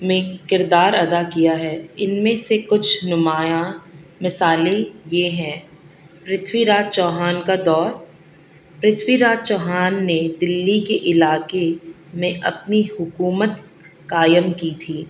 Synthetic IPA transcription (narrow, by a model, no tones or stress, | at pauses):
mẽkɪɾd̪aːɾɐd̪akijaɦɛːɪnmẽsekʊt͡ʃʰnʊmaːjamɪsaːlẽjeɦɛ̃ | pɾɪt̪ʰwiɾaːt͡ʃɔːɦaːnkad̪ɔːɾ | pɾɪt̪ʰwiɾaːd͡ʒt͡ʃɔːɦaːnːed̪ɪlːikeʔɪlaːke | mẽʔɐpnihʊkuːmət̪ | kaːjəmkit̪ʰiː